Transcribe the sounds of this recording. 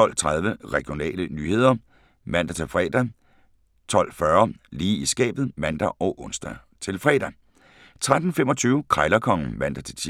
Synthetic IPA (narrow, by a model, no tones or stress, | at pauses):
ɒ̽l̰t͡sʰʁað̞ˠʋəʁɛɡ̥ijo̝nɛ̰ːlənyːhe̝ð̞̰ˠɐ | mæn̰d̥æt͡sʰe̝lfʁɛ̰ːd̥æ | t͡sʰɒ̽l̰fɶːɐliːisɡ̥ɛ̰ːb̥ð̩ˠmæn̰d̥æʔɒʊʔɔ̽nsd̥æ | t͡sʰe̝lfʁɛ̰ːd̥æ | t͡sʰʁad̥n̩femɒ̽t͡sʰyːʊkʰʁɑ̈ɪlɐkʰɒ̽ŋ̰̩ʋæn̰d̥æt͡sʰe̝